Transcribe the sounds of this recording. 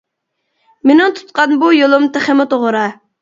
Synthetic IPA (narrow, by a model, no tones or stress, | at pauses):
menɪŋt̪ʰu̥t̪̚qɑnbujolˠʊmt̪eχemɪt̪oʁʊɾɑ